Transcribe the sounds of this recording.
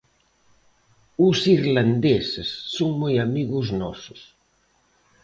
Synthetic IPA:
ʊsiɾland̪esesːoŋmojamiɣʊznɔsʊs

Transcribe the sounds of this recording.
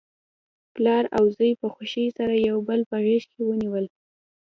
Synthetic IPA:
plɑɾawzəjpəxʊʃisaɾajawbəlpaɣeʃkewəniwəl

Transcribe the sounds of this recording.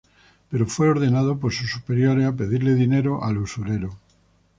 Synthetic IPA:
pe̞ɾofwe̞o̞ɾðenað̞op̬oɾsusupe̞ɾjoɾeap̬e̞ðiɾleðine̞ɾoʔalusuɾe̞ɾo

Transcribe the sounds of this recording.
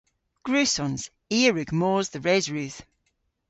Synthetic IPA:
ɡ̥ɹʉːsɔnz̥ | iːəɹʉɡ̥moːzðəɹeːzɹʉːð̥

